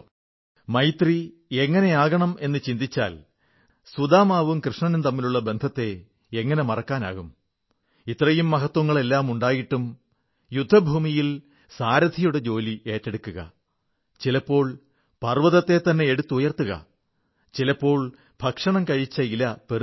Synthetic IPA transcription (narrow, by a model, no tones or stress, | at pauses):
mɐjt̪ri | e̞ŋːɐne̞aːɣɐɳɐme̞nːɨt͡ɕind̪it͡ɕːa̰ːl | sud̪aːmaːʋumkrɨʂɳɐnnt̪ɐmːiluɭːɐbe̞nd̪ʱɐt̪ːe̞ | eŋːɐne̞mɐrɐkːaːna̰ːɣum | it̪ːrɐjumːɐɦɐt̪wɐŋːɐɭe̞lːaːmuɳɖaːjiʈːum | jud̪ʱːɐbʱuːmijil | saːɾɐd̪ʱijuɽet͡ɕo̞ːlie̞ːtːe̞ɽukːuɣɐ̰ | t͡ɕilɐpːo̞ːɭ | pɐrʋɐðɐt̪ːe̞t̪ːɐnːe̞eɽut̪ːujɐrt̪ːuɣɐ̰ | t͡ɕilɐpːo̞ːɭ | bʱɐkʂɐɳɐmkɐɻit͡ɕːɐilɐpe